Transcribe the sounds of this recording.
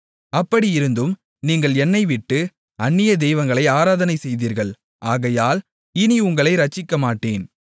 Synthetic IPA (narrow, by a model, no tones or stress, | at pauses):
ɐpːɐɽiɪɾɯnd̪ɯm | niːŋɡɐɭɛnːɐɪʋɪʈːɯ | ɐɳːɪjɐd̪ɛjʋɐŋɡɐɭɐɪaːɾaːðɐnɐɪsɛjðiːɾɣɐɭ | ʔaːɣɐjaːl | ɪniʊŋɡɐɭɐɪɾɐt͡ʃːɪkːɐmaːʈːeːn